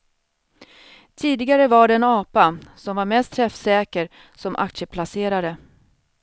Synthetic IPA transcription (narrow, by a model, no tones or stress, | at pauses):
t̪ʰiːd̪ɪɡaɾəvaɖɛɛnɑːpasɔmvaɾmɛst̪ʰɾɛfsɛːkəɾ | sɔmʔa̰kt̪ʂəpʰlaseːɾaɾə